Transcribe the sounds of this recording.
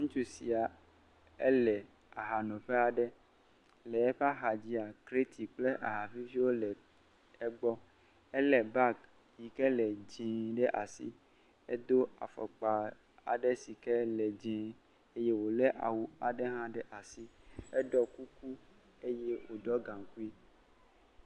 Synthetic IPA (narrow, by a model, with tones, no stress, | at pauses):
ŋũ˦t͡ʃu˦si˨a˨ | ɛ̰˦lɛ˨ | a˨ɦa˨nõ˨ɸɛ˦a˨ɖɛ˦ | lɛ˨ɛ˦ɸa˦ɦa˨d͡ʑi˦a˨kɾe˦t̪ʰi˨k͡ple˦ʔa˨ɦa˨fi˦fi˦wo˦lɛ˨ | ɛ˦ɡ͡bɔ˦ | ɛ˦lɛ˨ba˦k | ji˨kɛ˦lɛ˨d͡ʒɛ̃˨ɖɛ˦ʔa˨sḭ˦ | ɛ˦d̪o˦a̰˨fɔ̰˨k͡pa˨ | a̰˨ɖɛ˦si˨kɛ˦lɛ˨d͡ʒɛ̃˨˦ | e˦je˦wo˨lɛ˦ʔa̰˨wu˨a˨ɖɛ˦ɦã˦ɖɛ˦ʔa˨si˦ɛ˦ɖɔ˦ku˦ku˦ | e˦je˦wo˨dɔ˦ɡã˨ŋ˨ku˦i˦